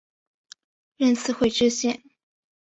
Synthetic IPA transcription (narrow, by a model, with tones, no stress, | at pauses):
ɻə˥˧nt͡sʰɹ̩˥˧xwe˥˧ɪʈ͡ʂɻ̩˥˧ɕjɛ˥˩n